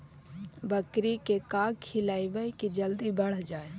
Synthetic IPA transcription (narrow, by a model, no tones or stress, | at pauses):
bəkɾikekaːɡkʰɪlaːiʋəikid͡ʒəld̪ibəɽ̤d͡ʒaːe